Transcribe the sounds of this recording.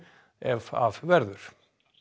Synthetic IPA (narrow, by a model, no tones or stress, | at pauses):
ɛva̰vvɛɾðʏɾ̥